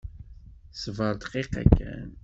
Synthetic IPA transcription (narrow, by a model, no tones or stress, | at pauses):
svəɾt̪qiqæ̰kːæ̰n